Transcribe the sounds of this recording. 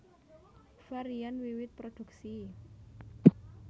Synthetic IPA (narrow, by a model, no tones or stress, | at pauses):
faɾianwiwɪt̪̚pɾod̪̥ṳk̚si